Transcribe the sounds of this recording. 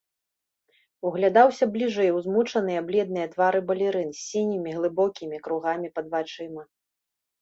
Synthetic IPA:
uɣlʲad̪awsʲɐblʲiʐɛjwzmut͡ʂɐn̪ɨjɐblʲɛd̪̚nɨjɐt̪vaɾɨbɐlʲiɾɨnsʲːinʲimʲiɣlˠɨbɔkʲimʲikɾuɣamʲipɐd̪vat͡ʂɨmɐ

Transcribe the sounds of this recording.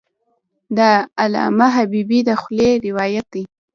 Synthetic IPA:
d̪əalɑ̰maɦabibid̪əxleɾɪwɑjat̪̚d̪i

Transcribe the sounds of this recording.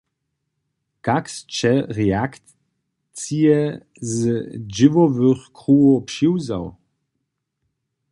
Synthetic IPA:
kakst͡ʃɛʁɛak̪ | t͡sijɛ | zd͡ʒɪvɔvɨxkʁuɔpʃiwza̰w

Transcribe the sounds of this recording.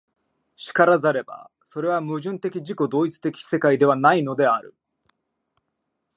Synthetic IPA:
ɕi̥kaɾazaɾe̞ba̰ | so̞ɾe̞β̞amɯ̟ʑɨ̃nt̪e̞kʲiʑiko̞d̪o̞ːit͡sɨ̥t̪e̞kʲi̥se̞kaid̪e̞βanaino̞d̪e̞aɾɯ̟̰

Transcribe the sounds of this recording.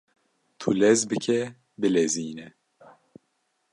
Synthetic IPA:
t̪ʰulɛzbɨkʰɛ | bɨlɛziːnɛ

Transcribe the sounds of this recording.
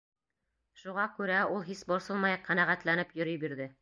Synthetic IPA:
ʃuʁɑkʉɾæulˠɦisbŏɾsɤlˠmɑjɑqqænæʁæt̪lænɘpjɵ̆ɾijbiɾðɘ

